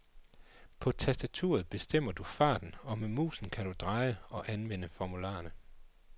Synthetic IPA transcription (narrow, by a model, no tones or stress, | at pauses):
pʰɒ̽t͡sʰæsd̥æt͡sʰṵːɐð̞̩ˠb̥e̝sd̥em̰ɐd̥ufɑ̰̈ːd̥n̩ɒ̽memṵːsn̩kʰæd̥ud̥ʁɑ̈ɪəɒ̽ʔænʋen̰əfɒmulɑ̰̈ːɐnə